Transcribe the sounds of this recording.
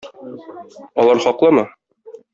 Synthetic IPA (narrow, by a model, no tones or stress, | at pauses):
ɒlˠɑɾχɒqlˠɤmɤ